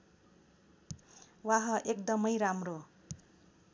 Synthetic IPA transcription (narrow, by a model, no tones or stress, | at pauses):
waɦʌʔekd̪ʌmʌjɾamro